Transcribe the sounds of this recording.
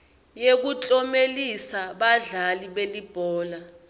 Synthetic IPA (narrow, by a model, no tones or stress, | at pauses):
jek̬ut͡ɬʼɔmelisaɓaɮaliɓelib̥ʱɔːla